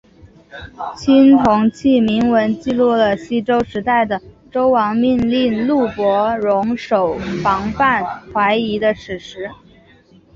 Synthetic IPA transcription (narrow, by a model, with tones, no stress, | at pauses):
t͡ɕʰi˥nt̪ʰʊ˧˥ŋt͡ɕʰi˥˩mi˧˥ŋwə˧˥nt͡ɕi˥˧lu˥˩lə˩ɕi˥ʈ͡ʂo˥ʊʂɻ̩˧˥t̪a˥˩ɪd̪ə˩ | ʈ͡ʂo˥ʊwɑ˧˥ŋmi˥˧nli˥˧nlu˥˩pwɔ˧˥ɻʊ˧˥ŋʂo˨˩ʊfɑ˧˥ŋfa˥˩nxwa˧˥ɪi˧˥d̪ə˧ʂʰɻ̩˨˧˩ʂɻ̩˧˥